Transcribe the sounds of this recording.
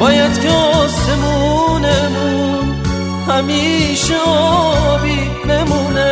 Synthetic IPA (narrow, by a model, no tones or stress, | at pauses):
bɒːjad̪kʰeɔsemunemu | n | hæmiʃeɔbiː | nemune